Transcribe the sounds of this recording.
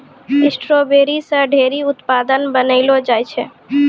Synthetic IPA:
ɪsʈɾobeːɾisə̃ɖʱeːɾiʊt̪pad̪ənbənəɪlod͡ʒajt͡ʃʰɛ

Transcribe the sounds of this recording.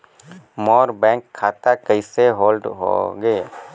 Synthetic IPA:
mɔːɾbɛ̃ːŋkʰːaːt̪akəɪseɦoːlɖɦo̰ɡeː

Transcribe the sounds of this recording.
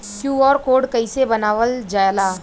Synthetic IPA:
kjũːɔːɾkoːɾɖkɐisebɐnaːʋəld͡ʒaːlaː

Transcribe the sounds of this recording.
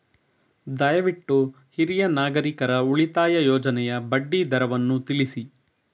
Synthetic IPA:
d̪ɐjɐʋiʈːu | hiɾijɐnaːɡɐɾikɐɾɐuɭit̪aːjɐjɔːd͡ʒɐnɛjɐbɐɖːid̪ɐɾɐʋɐnːut̪iɭisi

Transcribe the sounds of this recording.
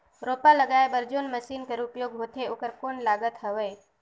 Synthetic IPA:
ɾoːpaləɡaːebəɾd͡ʒonməʃiːnkəɾupjoːɡɦoːt̪ʰeokəɾkoːnlaːɡət̪ɦəʋeː

